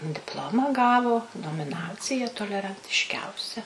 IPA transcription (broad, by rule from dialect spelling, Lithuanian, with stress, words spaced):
dʲɪpˈlˠoːmɑː ˈɡɑːʋoː noːmʲɪˈnɑːt͡sʲɪjɛ toːlʲɛrɐnʲtʲɪʃʲˈkʲɛʊsʲɛ